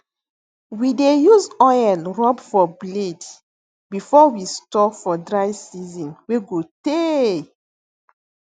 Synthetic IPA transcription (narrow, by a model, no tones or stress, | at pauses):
widejuzɔjɛlɹɔbfɔbled | bifɔwistɔfɔdɹaɪsizɔ̃nweɡote